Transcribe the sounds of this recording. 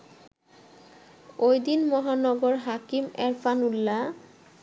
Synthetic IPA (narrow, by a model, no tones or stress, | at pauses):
ojd̪inmɔɦanɔɡɔɾɦakimɛɾfʰanulːa